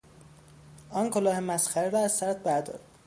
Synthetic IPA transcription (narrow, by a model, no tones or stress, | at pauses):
ɒːnkʰolɒːhe̞mæsxæɾeɾɒːæzsæɾt̪̚bæɾd̪ɒ̰ɾd̪̥